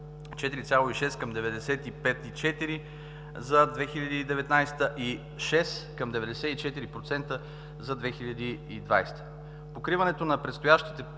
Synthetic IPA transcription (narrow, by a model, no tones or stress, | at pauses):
t͡ʃɛt̪iɾit̪sʲjalˠoiʃɛskɐmd̪ɛvɛd̪ɛsɛt̪ipɛt̪it͡ʃɛt̪iɾi | zɐd̪vɛxiʎʲɐd̪iːd̪ɛvɛt̪najst̪əʔi | ʃɛskɐmd̪ɛvɛd̪ɛsɛit͡ʃɛt̪iɾipɾot̪sɛnt̪ə | zɐd̪vɛxiʎʲɐd̪iːd̪va̰jst̪ə̥ | pokɾivɐnɛt̪onɐpɾɛt̪st̪ojaʃt̪i̥t̪ɛ